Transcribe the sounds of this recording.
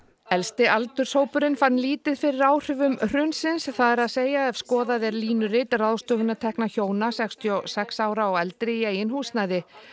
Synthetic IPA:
ɛlst̪ɪʔalt̪ʏɾ̥soːwpʏɾɪnfanːliːt̪ɪðfɪɾɪɾaːwr̥ʏvʏmr̥ʏnsɪnsθaðɛɾaðseːjaɛvskɔːðaðɛɾliːnʏrɪt̪raðst̪œːɣʏnat̪ʰɛhknaçoːwnasɛkst̪ʰijɔsɛksaːwɾaɔɣɛlt̪ɾɪieːjɪnhuːsnajðɪ

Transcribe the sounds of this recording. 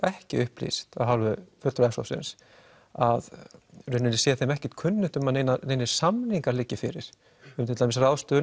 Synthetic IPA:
ɛhcɪʏhplḭst̪awɦawlvʏfœt̪ɾʏɛhsɔ̰fsɪ̰ns | aðrʏnːɪnɪsjɛθejmɛhcɛ̥ht̪̚kʰʏnːʏn̥t̪ʏmaðnejnaneːjnɪ̥samniŋkaɾlɪcːɪfɪɾɪ̰ɾ̥ | ʏmt̪ʰɪt̪amɪsrawst̪ʏ

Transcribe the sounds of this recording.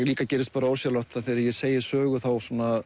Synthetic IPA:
ɣliːkacɛːɾɪst̪̚paːɾaoːwɾsjalɔwht̪θaθɪɾɪɾjɛ̥seːjɪ̥sœːɣʏθawsaːna

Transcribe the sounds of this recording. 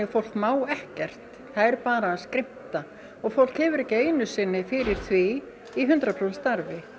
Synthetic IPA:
ɛfowl̥kmaːwɛhcɛr̥t̪ | θaðɛɾpaːɾaskɾɪm̥t̪a | ɔɣfowl̥khɛːvʏɾɛcɪeːjnʏsɪnːɪfɪɾɪɾ̥θvi | iɦʏnt̪ɾapʰɾolst̪aɾvɪ

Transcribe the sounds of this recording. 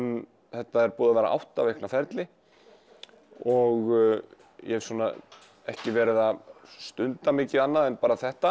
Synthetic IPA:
n | θɛht̪aɛɾpuːðavɛːɾaʔa̰wht̪avejknafɛɾt̪lɪ | ɔɣ | jɛɛvsɔːna | ɛhcɪvɛːɾɪðast̪ʏnt̪amɪːcɪðanːaðɛnpaːɾaθɛht̪a

